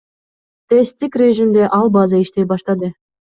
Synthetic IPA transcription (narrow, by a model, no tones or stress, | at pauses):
t̪est̪ikrʲeʒimd̪eʔɑlˠbɑzɑiʃt̪ejbɑʃt̪ɑd̪ɤ